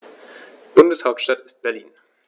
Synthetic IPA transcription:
b̥ʊndəshaʊp̚tʃtatɪ̥st̚b̥ɛɐlḭːn

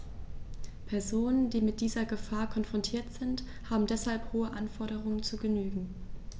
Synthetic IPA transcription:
pʰɛɐzoːnənd̥iːmɪt̚d̥iːzɐɡəfaːɐkʰɔnfʁ̥ɔntʰiːɐtz̥ɪnt | haːbm̩dɛshalphoːəʔanfɔɐɾəʁ̞ʊŋənt͡suːɡənyːɡŋ̩

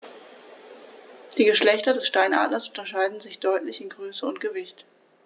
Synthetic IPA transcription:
d̥iːɡəʃlɛçtɐdɛsʃtaɪnʔa̰ːdlɐsʔʊntɐʃaɪdn̩zɪçd̥ɔʏtlɪçɪnɡʁøːsəʊntɡ̥əvɪçt

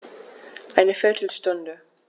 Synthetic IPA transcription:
ʔaɪnəfɪɐtʰl̩stʊndə

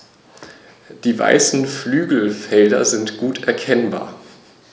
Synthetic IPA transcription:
d̥iːva̰ɪsn̩flyːɡl̩fɛldɐ̰zɪntɡ̥uːtʔɛɐkʰɛnba̰ːɐ

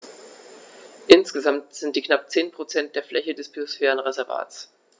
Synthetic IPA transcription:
ʔɪnsɡ̥əzamtz̥ɪntd̥iːknap̚t͡seːnpʁ̥ot͡sɛnt̚d̥eːɐflɛçədɛsb̥iosfɛːʁ̞ənʁezɛɐva̰ːts

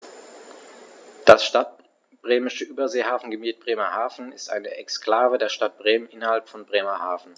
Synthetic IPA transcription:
d̥asʃtat̚ | b̥ʁeːmɪʃəʔyːbɐzeːhaːfn̩ɡəmiːt̚b̥ʁeːmɐhaːfn̩ɪstʔa̰ɪnəʔɛkskl̥aːvədeːɐʃtat̚b̥ʁeːmənʔɪnɐhalpfɔnbʁeːmɐhaːfn̩

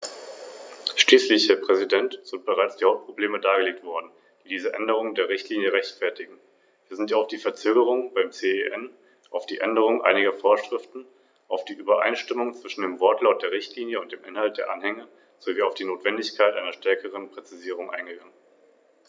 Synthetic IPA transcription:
ʃliːslɪçhɛːɐpʁ̥ɛzidɛntz̥ɪnt̚b̥əʁaɪt͡sd̥iːhaʊp̚t̚pʁ̥obleːmədaːɡəleːk̚tv̥ɔɐdn̩ | d̥iːdiːzəʔɛndəʁ̞ʊŋəndeːɐʁ̞ɪçtʰliːnjəʁɛçtfɛɐtɪɡŋ̩ | viːɐzɪntjaaʊfd̥iːfɛɐt͡søːɡəʁʊŋb̥aɪmt͡seːeʔɛn | ʔaʊfd̥iːʔɛndəʁ̞ʊŋʔa̰ɪnɪɡɐfoːɐʃʁ̥ɪftn̩ | ʔaʊfd̥iːʔyːbɐʔa̰ɪnʃtɪmʊŋt͡sv̥ɪʃn̩deːmvɔɐtʰlaʊt̚d̥eːɐʁɪçtʰliːnjəʊntd̥eːmʔɪnhalt̚d̥eːɐʔanhɛŋə | z̥oviːaʊfd̥iːnoːtv̥ɛndɪçkʰaɪtʔaɪnɐʃtɛɐkʰəʁ̞ənpʁ̥ɛt͡siziːʁ̞ʊŋʔa̰ɪnɡəɡaŋən

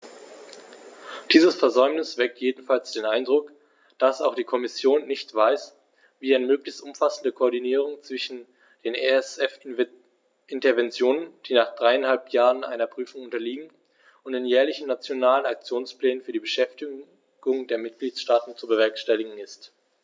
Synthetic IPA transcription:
d̥iːzəsfɛɐzɔʏmnɪsv̥ɛk̚tʰjeːdn̩falsd̥eːnʔaɪndʁʊk | d̥asaʊxd̥iːkʰɔmɪsjoːnːɪçtv̥aɪs | viːaɪnəmøːklɪçstʔʊmfasn̩dəkʰoːɐdiniːʁ̞ʊŋt͡sv̥ɪʃn̩ | d̥eːneɛsɛf | ʔɪntɐvɛnt͡sjoːnənd̥iːnaːχd̥ʁaɪanhalpʰjaːʁənʔa̰ɪnɐpʁ̥yːfʊŋʊntɐliːɡŋ̩ | ʊntd̥eːnjɛːɐlɪçn̩nat͡sjonaːlənak̚t͡sjoːnsplɛːnənfyːɐdiːbəʃɛftɪ | ɡ̥ʊŋdeːɐmɪt̚ɡ̥liːtʃtaːtn̩t͡subəvɛɐkʃtɛlɪɡŋ̩ɪst

